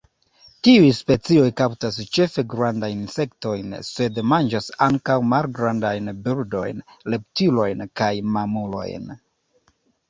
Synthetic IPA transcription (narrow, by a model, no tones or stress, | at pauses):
tiujspe̞t͡sio̞jkawtast͡ʃe̞fe̞ɡɾandajnse̞kto̞jnse̞dmand͡ʒasaŋkawmalɡɾandajnbildo̞̰jnle̞p̚tilo̞jnkajmamulo̞̰jn